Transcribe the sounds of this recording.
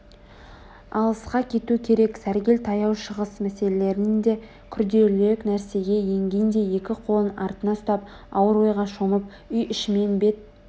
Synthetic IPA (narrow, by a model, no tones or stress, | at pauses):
ɑlˠəsqɑkʲʰe̞t̪uɪkʲʰe̞ɾe̞ksæɾɡʲe̞lt̪ʰɑjɑwʃəʁəsmæse̞lele̞ɾnɪnd̪e̞ | kʲʰʏɾd̪e̞leknæɾse̞ɡʲe̞je̞ŋɡʲejɪnd̪e̞je̞kʲɪqʰo̞lˠənɑɾt̪ənɑst̪ɑp | ɑwəɾo̞jʁɑʃoməp̚ | ʏjʔɪʃme̞nbe̞t̪̚